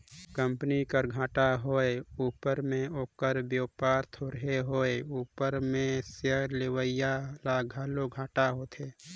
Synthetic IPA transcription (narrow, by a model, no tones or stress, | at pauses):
kə̃mpənikəɾɡʱãːʈaɦoːeuːpəɾmẽoːkəɾbjoːpaːɾt̪ʰoːɾɦeɦoeuːpəɾmẽsəɾlewəjalaɡʱaːloɡʱaːʈaɦoːt̪ʰeː